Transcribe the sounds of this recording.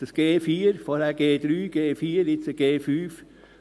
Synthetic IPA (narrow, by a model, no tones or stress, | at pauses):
d̥əsɡ̥eːfiːəɾfɔːɾhæːɡ̥eːd̥̪ɾyːɡ̥eːfiːəɾɪt͡səɡ̥eːfyːf